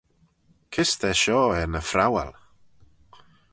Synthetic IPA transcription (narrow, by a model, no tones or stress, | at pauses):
kʰɪst̪ɛʃɔːɛɾnəfɾawa̰l